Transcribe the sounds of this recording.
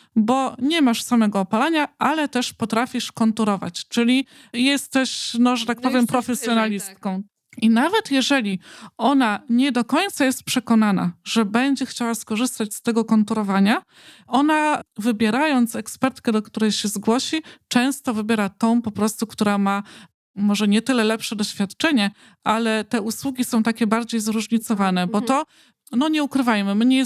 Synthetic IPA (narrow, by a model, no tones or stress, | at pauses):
bɔɲɛmaʂsamɛɡɔːpalaɲaʔalɛt̪ɛʂpɔt̪ɾafʲiʂkɔnt̪uɾɔva̰t͡ɕt͡ʂɘlʲi | jɛst̪ɛɕnɔʐɛt̪ak̚pɔvʲjɛmpɾɔfɛsʲjɔnalʲist̪̚kɔ̃w̃ | inavɛt̪jɛʐɛlʲiɔnaɲɛd̪ɔkɔɲt̪sajɛst̪̚pʂɛkɔnana̰ʐɛbɛɲd͡ʑɛxt͡ɕawaskɔʐɘst̪at͡ɕst̪ɛɡɔkɔnt̪uɾɔvaɲa | ɔnavɘbʲjɛɾajɔnt̪sɛkspɛɾt̪kɛd̪ɔkt̪uɾɛjɕɛzɡwɔɕit͡ʂɛ̃w̃st̪ɔvɘbʲjɛɾat̪ɔ̃w̃pɔpɾɔst̪ukt̪uɾama | mɔʐɛɲɛt̪ɘlɛlɛpʂɛd̪ɔɕfʲjat̪t͡ʂɛɲɛ | ʔalɛt̪ɛuswuɡʲisɔ̃w̃t̪akʲɛbaɾd͡ʑejzɾuʐɲit̪sɔvanɛbɔt̪ɔ | nɔɲɛukɾɘvajmɘmɘɲɛ